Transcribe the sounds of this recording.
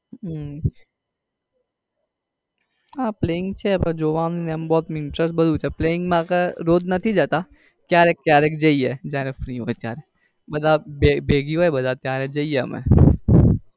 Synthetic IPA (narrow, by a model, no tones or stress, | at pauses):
ãːpleːɪ̃ŋɡt͡ʃʰɛpɐd͡ʒoːʋãːnineɐmbɔːt̪mɪ̃nʈɾəsʈbɐd̪ut͡ʃɛpleːɪ̃ŋɡmãːkaɾoːd̪nɐt̪ʰid͡ʒaːt̪a | kjaːɾɛkkːjaːɾɛkd͡ʒɐiɛd͡ʒaːɾɛfɾiːɦoːɛt̪ja̰ːɾɛ | bɐd̪abebeːɡiɦoːɛbɐd̪at̪jaːɾɛd͡ʒɐiɛɐ̰mɛ̰̃